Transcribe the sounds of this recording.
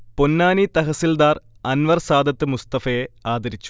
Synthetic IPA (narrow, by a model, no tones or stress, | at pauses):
ponːaːnit̪ɐɦɐsild̪aːr | ɐnʋɐrsaːd̪ʱɐt̪ːɨmust̪ɐfɐjeaːd̪ɐɾit͡ɕːu̥